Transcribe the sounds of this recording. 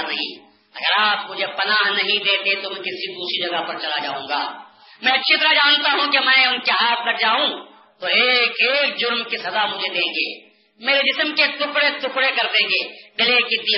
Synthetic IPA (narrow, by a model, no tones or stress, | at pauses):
ɾnɐɦḭ̃ː | ɐ̰ɡəɾaːpmʊd͡ʒʱepɐnaːɦnɐɦĩd̪eːt̪et̪omɛ̃kɪsid̪uːsid͡ʒɐɡaɦpɐɾt͡ʃɐlad͡ʒa̰ːṵ̃ːɡa̰ː | mɛ̃ːɐt͡ʃʰit̪ɐɾad͡ʒaːnt̪aɦũkemɛ̃ːʊnkeɦaːt̪ʰlɐɡ̚d͡ʒaːũ | t̪oeːkeːk̚d͡ʒʊɾmkisɐd̪amʊd͡ʒʱed̪ẽːŋɡḛː | meːɾed͡ʒɪsmket̪ʊkɽet̪ʊkɽekɐɾd̪ẽːɡeːd̪ɪleked̪i